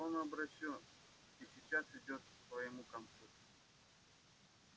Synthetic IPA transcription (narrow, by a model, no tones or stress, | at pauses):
onɐbɾɐɕʲon | isʲɪt͡ɕasɪdʲo̞t̪̚ksvɐjɪmukɐnt̪su